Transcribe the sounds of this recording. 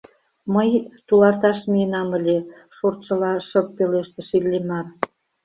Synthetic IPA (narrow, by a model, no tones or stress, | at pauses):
məjt̪ulɑrt̪ɑʃmijənɑməlʲe | ʃort͡ɕə̆lɑʃək̚peleʃt̪ə̆ʃilːemɑr